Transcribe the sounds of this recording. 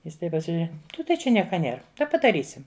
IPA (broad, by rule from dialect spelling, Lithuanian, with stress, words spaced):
ˈjɪs ˈtɐɪp pɐsʲɪʒʲʊˈrʲɛ ˈtɐɪ t͡ʃʲɛ ˈnʲiɛkɐ ˈnʲeːr ˈtɐɪ pɐdɐˈrʲiːsʲɪm